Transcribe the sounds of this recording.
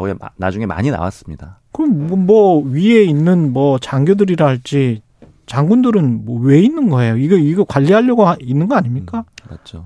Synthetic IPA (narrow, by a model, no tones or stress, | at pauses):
oena̰d͡ʑuŋe̞ma̰ɲina̰wa̰s͈ɯmɲid̥akɯɾʌmmwʌɥie̞inːɯnmwʌt͡ɕaŋɡjodɯɾiɾaɦaɭt͡ɕ͈i | t͡ɕaŋɡundɯɾɯnmʌwe̞inːɯnɡʌe̞joiɡeiɡekwaʎːiɦaʎːʌɡoɦainːɯnɡʌaɲimɲik͈amad͡ʑʰo